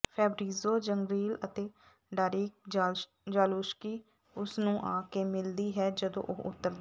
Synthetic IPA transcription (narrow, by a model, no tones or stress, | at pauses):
pʰɛːbɾiːzoːd͡ʒəŋɡɾiːlət̪eː | ɖaːɾiːk̚ | d͡ʒaːluːʃkiː | ʊsnũːʔaːkeːmɪld̪iːɦɛːd͡ʒəd̪õ̰ːʔoːʔʊt̪ːəɾd̪